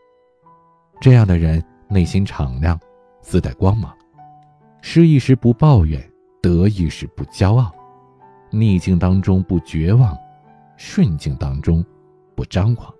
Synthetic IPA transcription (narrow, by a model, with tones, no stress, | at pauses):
ʈ͡ʂɤ˥˧jɑ˥˩ŋd̪ə˩ɻə˧˥n | ne˥˩ɪɕi˥nʈ͡ʂʰɑ˨˩ŋljɑ˥˩ŋ | sɹ̩˥t̪a˥˩ɪkwɑ˥ŋmɑ˨˩˦ŋ | ʂɻ̩˥˧i˥˧ʂɻ̩˥pu˧˥pɑ˥˧ʊɥɛ̰˨˩˦n | t̪ɤ˧˥i˥˧ʂɻ̩˥˧pu˥˩t͡ɕjɑ˥ʊɑ˥˩ʊ | ni˥˧t͡ɕi˥˩ŋt̪ɑ˥ŋʈ͡ʂʊ˥ŋpu˥˩t͡ɕɥɛ˧˥wɑ˥˩ŋ | ʂwə˥˧nt͡ɕi˥˩ŋt̪ɑ˥ŋʈ͡ʂʊ˥ŋ | pu˥˩ʈ͡ʂɑ˥ŋkwɑ˨˩˦ŋ